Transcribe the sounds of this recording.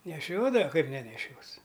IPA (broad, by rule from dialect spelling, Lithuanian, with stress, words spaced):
nʲɛˈʃʲoːdɐʋɐ ˈkɐɪp nʲɛnʲɛˈʃʲoːs